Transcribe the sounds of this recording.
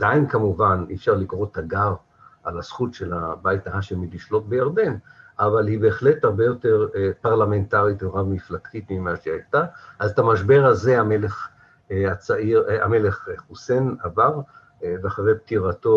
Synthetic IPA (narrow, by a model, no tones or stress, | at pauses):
d̪ainkamuvanḭfʃaʁlikʁo̞t̪ʰaɡaʁ | ʔalasχutʃe̞labajtaɦaʃemiliʃlo̞t̚bejaʁd̪e̞nʔavalhibe̞ːχle̞thaʁbe̞jo̞te̞ʁpaʁlamentaʁit̪veʁavmiflaktit̪mimaʃiajtaʔazt̪amaʃ̬be̞ʁhaze̞ameleχ | at͡saiʁa̰me̞le̞χχuse̞navav | veaχavejp̚tiʁato̞